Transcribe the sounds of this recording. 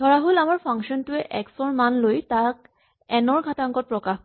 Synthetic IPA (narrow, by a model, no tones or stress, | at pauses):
dʱɔɹaɦolamaɹpʰaŋksɔntʊɛʔɛksɔɹmanlojtak̚ | ɛnɔɹɡʱataŋkɔt̚pɹɔkax